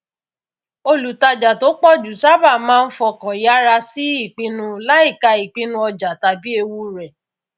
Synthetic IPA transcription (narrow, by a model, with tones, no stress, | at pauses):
o˧lu˨ta˧d͡ʒa˨to˨˦k͡pɔ˦d͡ʒu˨sa˦ba˦˨mãː˦˧n̩˦fɔ˧kã˨ja˦ɾa˧si˦i˦˨k͡pĩ˦nũ˧la˦i˦˨ka˧i˨k͡pĩ˦nũ˧˦ɔ˧d͡ʒa˨ta˨bi˦e˧wu˦ɾɛ˨